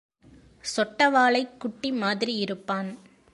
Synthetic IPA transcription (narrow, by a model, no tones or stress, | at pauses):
sɔʈːɐʋaːɭɐɪkːʊʈːimaːðɪɾiɪɾɯpːaːn